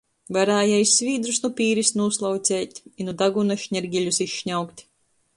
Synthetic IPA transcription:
vaɾaːjɛjsʲːvʲiːd̪ɾusnupʲiːɾisnuslˠawt̪sʲɛːt̪ʲinud̪aɡunaʃɲʲɛɾɡʲilʲusiʃʃɲawkt̪ʲ

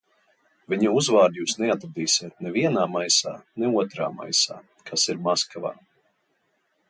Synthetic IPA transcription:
vʲiɲauzvaːɾd̪juːsnɛat̪ɾad̪iːsʲiɛt̪̚nɛviɛnaːmajsa̰ːnɛuɔt̪ɾa̰ːma̰jsa̰ː | kʰasiɾmaskava̰ː

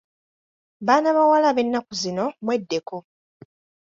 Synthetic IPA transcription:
βaːnaβawalaβe̞nːakuzino̞mwe̞dːe̞ko̞

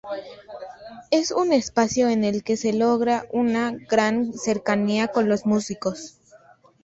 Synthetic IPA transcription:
e̞sune̞spasjo̞ene̞lke̞se̞loɣɾaʔunaɡɾanse̞ɾkaniako̞nlosmusiko̞s

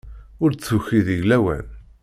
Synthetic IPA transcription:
ʊɾt͡sːuçiðiʝlæwæ̰n

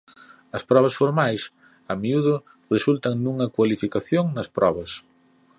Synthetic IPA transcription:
ɐspɾɔβ̞ɐsfoɾmajs | ɐmiuðʊ | result̪ɐŋnuŋɐkwalifikaθjoŋnɐspɾɔβɐs

